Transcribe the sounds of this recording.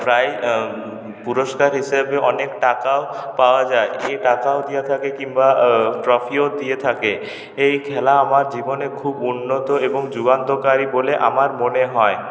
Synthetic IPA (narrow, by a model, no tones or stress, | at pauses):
pɾaj | puɾoʃkaɾɦiʃabeɔnekʈakaopaoad͡ʑaeʔeʈakaod̪ijet̪ʰakekiŋbaʈɾɔfiod̪ijet̪ʰake | ejkʰɛlaamaɾd͡ʑibonekʰubunːot̪oeboŋd͡ʑuɡant̪okaɾiboleʔa̰maɾmoneɦɔe